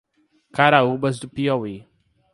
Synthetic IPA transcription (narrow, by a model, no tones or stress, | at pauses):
kaɾaubɐzd̪ʊpiɔwi